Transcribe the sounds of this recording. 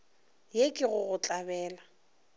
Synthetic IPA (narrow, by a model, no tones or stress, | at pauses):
jekʼɪɣʊɣʊt͡ɬʼabɛːla